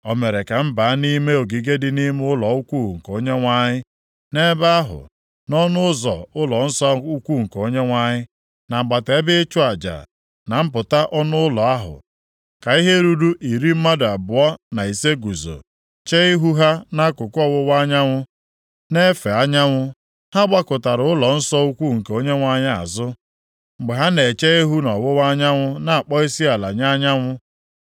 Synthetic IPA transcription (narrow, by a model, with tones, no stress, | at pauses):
ɔ˨me˨ɾe˨ka˨m̩˦ba˨a˦ni˦me˦o˨ɡi˨ɡe˦dɪ˦ni˦m˦ʊ˦lɔ˨ʊ˦kʷu˦˨ŋ̩˨ko˦ɲe˦ŋʷa˦ɲɪ˦ | ne˦ba˦a˦ɦʊ̰˨ | nɔ˦nʊ˦ʊ˦zɔ̰˨ʊ˦lɔ˨n̩˦sɔ˦u˦kʷu˦˨ŋ̩˨ko˦ɲe˦ŋʷa˦ɲɪ˦ | na˨ŋ͡m̩˨ɡ͡ba˨te˨˦bɪ˦t͡ʃʊ˦a˨d͡ʒa̰˨ | na˨m̩˦pʊ˨ta˦ʔɔ˦nʊ˦ʊ˦lɔ˨a˦ɦʊ̰˨ | ka˨i˦ɦe˦ɾu˦du˦ʔi˨ɾi˦m̩˦ma˦da˨bʊ˨ɔ˦na˨i˨se˦ɡu˨zo̰˨ | t͡ʃe˦i˦ɦu˦ɦa˦na˦kʊ˨kʊ˦ɔ˦wʊ˦wa˦ɲa˦ŋʷʊ˦ | ne˦fe˨a˦ɲa˦ŋʷʊ˦ | ha˦ɡ͡ba˦kʊ˨ta˨ɾʊ˦ʊ˦lɔ˨n̩˦sɔ˦u˦kʷu˦˨ŋ̩˨ke˨o˦ɲe˦ŋʷa˦ɲɪ˦a̰˨zʊ˦ | ŋ͡m̩˨ɡ͡be˨ɦa˦ne˨t͡ʃe˦e˦ɦu˦nɔ˨wʊ˦wa˦ɲa˦ŋʷʊ˦na˨a˨k͡pɔ˦i˦si˦a˨la˨ɲa˦ɲa˦ŋʷʊ˦